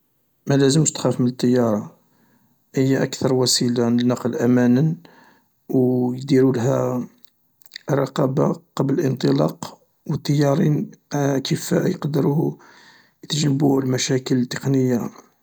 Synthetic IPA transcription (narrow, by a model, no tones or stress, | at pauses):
mælæzəmʃt̪xæfmənət̪ˤːɑjːɑɾˤɑ | həjːaʔækt̪ɑɾˤwæsilaʕnənːɑqləlʔæmænən | wjd̪iɾulɦæ | rˤːɑqɑbaqɑbləlʔənt̪ˤəlɑ̰q | wət̪ˤːɑjːɑɾˤinkifæ̰jqd̪əɾu | jət̪ʒnəbulmæʃækəlt̪ːə̥qnəjːa